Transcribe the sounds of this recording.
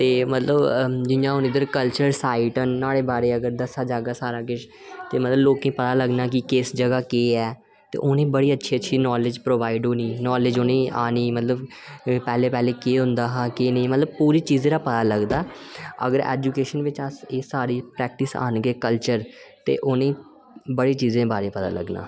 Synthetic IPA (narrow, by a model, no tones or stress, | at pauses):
t̪eːmət̪ləbd͡ʒɪjãːɦʊnɪd̪əɾkəlt͡ʃəɾsaːiʈənːaːɽeːbaːɾeːəɡəɾd̪əsaːd͡ʒaːɡaːsaːɾaːkɪʃ | t̪eːmət̪ləbloːkẽːpət̪aːləɡnaːk̬ɪkɪːsd͡ʒəɡaːkeːɛː | t̪ḛːʔoːnẽːbəɽiːətːʃʰiːətːʃʰiːnɔːlɪd͡ʒpɾoːʋaːiɖoːniːnɔːlɪd͡ʒoːnẽːa̰ːniːmət̪ləb | pɛːleːpɛːleːkeːɦʊ̃nd̪aːɦakeːnĩːmət̪ləbpuːɾiːt͡ʃiːzẽːɾaːpət̪aːləɡd̪aːə̰ɡəɾɛ̰ːd͡ʒuːkeːʃənʋɪt͡ʃəseːsaːɾiːpɾɛːk̚ʈɪsa̰ːnɡeːkəlt͡ʃəɾt̪ḛːʔoːnẽː | bəɽeːt͡ʃiːzẽːbaːɾeːpət̪a̰ːlə̰ɡna̰ː